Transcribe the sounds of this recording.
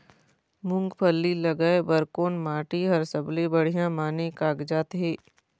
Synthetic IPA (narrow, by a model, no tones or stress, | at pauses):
mʊ̃ŋɡpʰəlːilɐɡaebəɾkoːnmaːʈiɦɐɾsɐblebɐɽ̤ijãmaːnekaːɡd͡ʒaːt̪ɦeː